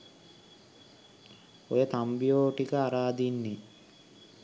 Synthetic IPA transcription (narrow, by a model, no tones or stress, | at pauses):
ojət̪ambijoːʈikəaɾaːd̪inːe